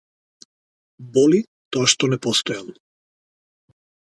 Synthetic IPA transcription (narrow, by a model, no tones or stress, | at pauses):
bɔli | t̪ɔaʃt̪ɔnɛpɔst̪ɔjal